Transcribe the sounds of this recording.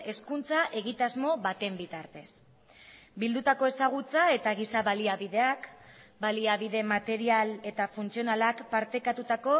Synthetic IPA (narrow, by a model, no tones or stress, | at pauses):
e̞skunt͡saʔe̞ɣit̪azmo̞βat̪e̞mbit̪aɾt̪e̞s | bild̪ut̪ako̞e̞saɣ̞ut͡sae̞t̪aɣisaβaliaβiðe̞akbaliaβiðe̞mat̪e̞ɾiale̞t̪afunt͡sio̞nalakpaɾt̪e̞kat̪ut̪ako̞